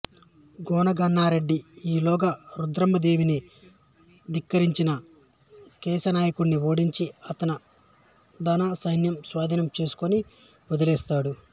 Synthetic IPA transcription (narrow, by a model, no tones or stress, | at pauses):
ɡɔːnɐɡɐnːaːɾe̞ɖːiiːlɔːɡɐɾud̪ɾɐmbɐd̪eːʋini | d̪ikːɐɾiɲt͡ʃinɐ | kɛːsɐnaːjɐkuɽniʋoːɽiɲt͡ʃiɐt̪ɐnɐ | d̪aːnaːsɐjnjɐmsʋaːd̪ʱinɐmt͡ʃe̞ːsu̥koni | ɔd̪ɐlɛːst̪aːɽu